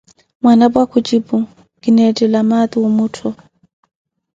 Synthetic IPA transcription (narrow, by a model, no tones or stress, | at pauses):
mwanabwakʰut͡ʃibu | kinɛtʼɛlamat̪iwɔmutʰɔ